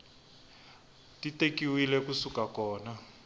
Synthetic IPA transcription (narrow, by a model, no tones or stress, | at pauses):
titekiwilɛkusukakɔːna